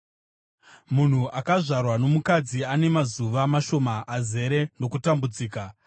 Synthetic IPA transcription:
mun̤uʔakaʐarwano̞mukad͡ziane̞mazuʋamaʃo̞maʔːze̞ɾe̞no̞kutambud͡ziːka

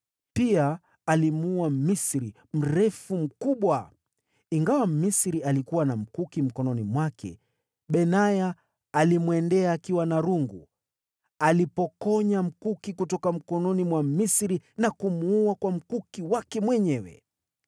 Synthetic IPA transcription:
pia | alimuamisɾi | m̩ɾɛfum̩kuɓwa | iŋɡawamisɾialikuwanam̩kukim̩kɔnɔnimwakʰɛ̰ | ɓɛnajaː | limwɛndɛaːkiwanaɾuŋɡṵ | alipɔkɔɲam̩kukikutɔkam̩kɔnɔnimwamisɾinakumuuakwam̩kukiwakɛmwɛɲɛwɛ̰

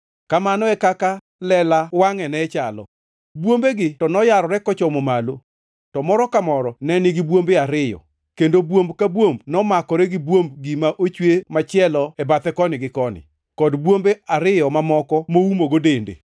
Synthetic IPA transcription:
kamanɔɛkaka | lɛlawaŋɛnɛt͡ʃalɔ̰ | bwombeɡɪtɔnɔjaɾɔɾɛkɔt͡ʃɔmomalo | tɔmɔɾɔkamɔɾɔnɛnɪɡɪbwombeaɾɪjɔ̰ | kendobwombkabwombnɔmakɔɾɛɡɪbwombɡimaʔot͡ʃwemat͡ʃɪɛlɔɛbat̪ɛkɔnɪɡɪkɔnɪ̰ | kɔdbwombeaɾɪjɔmamɔkɔmoumoɡodendḛ

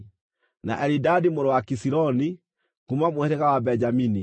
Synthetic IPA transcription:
na̰ʔɛɾidadimoɾɔwakisiɾɔni | kumamweɾɛɣawabɛɲd͡ʒamini

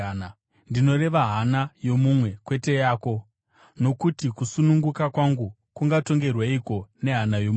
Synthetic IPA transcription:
ndino̞re̞ʋaɦanajo̞mumwe̞kwe̞te̞jaːko̞ | no̞kutikusunuŋɡukakwaŋɡu | kuŋɡato̞ŋɡe̞rwaiko̞ne̞ɦanajomu

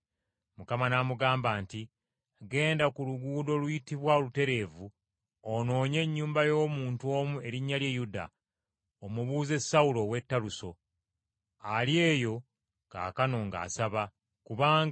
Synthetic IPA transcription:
mukamanamuɡaːmbaːnti | ɡe̞ːndakuluɡuːdo̞lujitiβwaolute̞ɾe̞ːvu | ono̞ːɲe̞ɲːuːmbajo̞ːmuːntuo̞ːmue̞ɾiɲːaljejuda̰ | omuβuːze̞saulo̞we̞tːaluso̞ | alje̞ːjo̞ | ka̰ːkano̞ŋɡa̰ːsaβa | kuβaːŋɡ

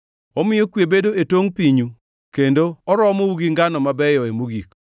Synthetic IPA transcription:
ɔmɪjɔkwjebedoetoŋpiɲu | kendoɔɾɔmouɡiŋɡanɔmabɛjɔemoɡik

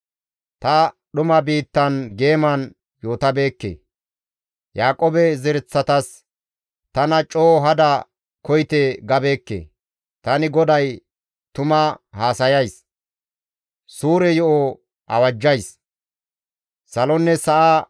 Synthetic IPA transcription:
t̪ɐ | ɗʊmɐbiːt̪ːɐnɡe̞ːmɐn | joːt̪ɐbe̞ːkːḛ | jaːkʼobɛzɛɾɛt͡sːɐt̪ɐs | t̪ɐnɐt͡ʃʼoːɦɐd̪ɐ | kɔjt̪eɡɐbe̞ːkːḛ | t̪ɐnɪɡɔd̪ɐj | t̪ʊmɐhaːsɐjɐjs | suːɾɛjɔʔo | ʔɐ̰wɐd͡ʒːɐjs | sɐlɔnːɛsɐʔa

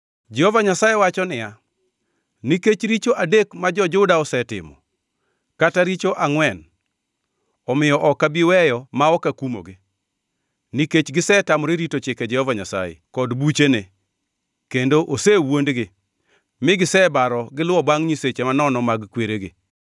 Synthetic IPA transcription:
d͡ʒɛhovaɲasajewat͡ʃɔnɪja | niket͡ʃɾit͡ʃoʔadekmad͡ʒɔd͡ʒʊdaɔsɛtɪ̰mɔ̰ | kataɾit͡ʃoʔaŋwɛn | ɔmɪjɔʔɔkabiwɛjɔmaɔkakumo̰ɡɪ | niket͡ʃɡɪsɛtamɔɾeɾitot͡ʃɪked͡ʒɛhovaɲasa̰jḛkɔdbut͡ʃene | kendoʔosewondɡɪ | mɪɡɪsɛbaɾɔɡɪlʊɔbaŋɲiset͡ʃemanɔnɔmaɡkweɾeɡɪ̰

